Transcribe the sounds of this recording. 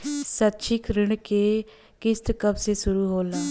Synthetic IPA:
sət̪ːʃʰɪkɾɪɳkeː | kɪst̪kəbsesʊɾuːɦoːlaː

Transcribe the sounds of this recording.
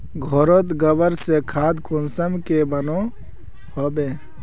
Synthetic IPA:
ɡʱoɾot̪ɡəbəɾsekʰaːd̪kʊnsəmkebəno | hobeː

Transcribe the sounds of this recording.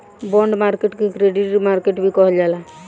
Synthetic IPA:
bɔɳɖmaɾkeʈkekɾeɖiʈmaɾkeʈbʱikɔɦɔld͡ʒala

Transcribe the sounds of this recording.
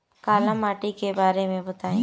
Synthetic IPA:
kaːlə̃maːʈikebaːɾemẽbɐt̪aːẽː

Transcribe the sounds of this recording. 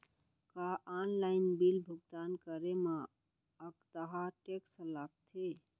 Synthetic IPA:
kaʔanlaɪnbilbʱuɡ̚d̪ankəɾema | əkt̪əɦaʈeksəlaɡ̚t̪ʰe

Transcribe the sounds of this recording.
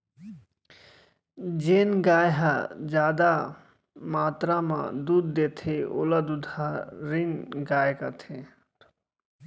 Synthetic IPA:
d͡ʒeːnɡaːjɦad͡ʒaːd̪a | maːt̪ɾamã̰d̪uːd̪ːet̪ʰeo̰ləd̪ud̪ʱaɾinɡaːjkat̪ʰe

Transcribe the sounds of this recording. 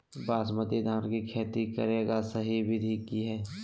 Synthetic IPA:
baːsməd̪ed̪ʱaːɾkikʰeːt̪ikə̰ɾeːɡasəɦibʱid̪ʱiːkiɦɛː

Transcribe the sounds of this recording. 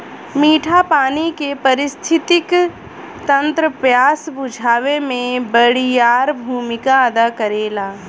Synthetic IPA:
miːʈʰapaːnikepɐɾɪst̪ʰɪt̪ɪk | t̪ɐ̃nt̪ɾəpjaːsbʊd͡ʒʱaːʋemẽbəɽijaːɾbʱuːmɪkaəd̪akəɾeːlaː

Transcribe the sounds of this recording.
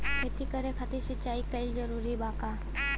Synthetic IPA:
ket̪ikəɾekʰɐt̪iʃɪt͡ʃaːikɐild͡ʒəɾuːɾibaːkaː

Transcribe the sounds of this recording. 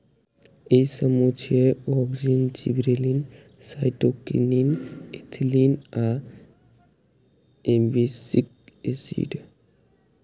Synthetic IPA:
esəmut͡ʃʰiewɔɡd͡ʒint͡ʃḭbɾelin | sajʈokḭninet̪ʰlina | embisik̚ | esḭɖ

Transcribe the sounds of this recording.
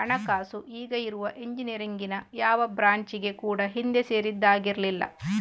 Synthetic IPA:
ɐɳɐkaːsuʔiːɡɐiɾuʋɐʔeɲd͡ʒinijɐɾiŋɡinɐjaːʋɐbɾaːɲt͡ʃiɡe̞kuːɽɐɦind̪ese̞ːɾid̪ːaːɡiɾlilːɐ̰

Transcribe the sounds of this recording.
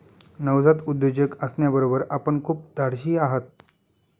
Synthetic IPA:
nəʋd͡zat̪ud̪jod͡ʑəkəsɳjabəɾobəɾapəɳkʰuːp̚d̪ʱaɽɕiːaɦət̪̚

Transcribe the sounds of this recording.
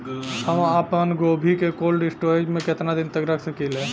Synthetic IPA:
həməpənɡobʱikekolɖisʈoɾed͡ʒmẽket̪nad̪int̪əkɾəkʰsəkilɛ̃

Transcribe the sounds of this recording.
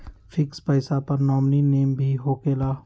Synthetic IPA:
fʰɪkspəɪsapɐɾnɔːmnineːmbʱiɦoːkeːlaː

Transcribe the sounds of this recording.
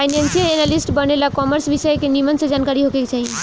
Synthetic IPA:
panensiəenalisʈbənelakɔməɾsʋisəjekenimənsẽd͡ʒaːnkaɾiɦokekt͡ʃaɦĩ

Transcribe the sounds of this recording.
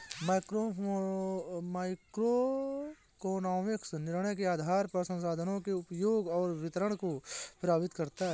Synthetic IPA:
maːɪkɾo | maːɪkɾo | koːnaːmɪksnɪɾɽ̃əjkeaːd̪ʱaːɾpəsə̃msaːd̪ʱənõkeʊpjoːɡɔːɾʋɪt̪əɾəɽ̃kopɾaːbɪt̪kɐɾt̪aɦ

